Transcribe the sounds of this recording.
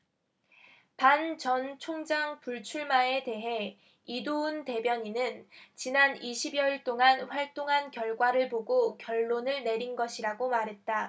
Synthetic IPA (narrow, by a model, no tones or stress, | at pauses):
pant͡ɕʌnt͡ɕʰoŋd͡ʑaŋpuɭt͡ɕʰuɭmae̞te̞ɦe̞ | idoɯnte̞bjʌɲinɯnt͡ɕinaniɕʰibjʌiɭt͈oŋanɸwaɭt͈oŋɦankjʌɭɡwaɾɯɭpoɡokjʌɭːonɯɭne̞ɾinɡʌɕʰiɾaɡomaɾɦe̞t̚t͈a